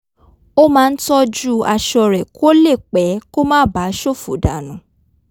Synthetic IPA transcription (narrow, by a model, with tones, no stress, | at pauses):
o˦mãː˦˧n̩˦tɔ˦d͡ʒu˦a˧ʃɔ˧ɾɛ˨ko˦le˦˨k͡pɛ˨˦ko˦mãː˦ba˨˦ʃo˦˨fo˨da˨nũ˨˦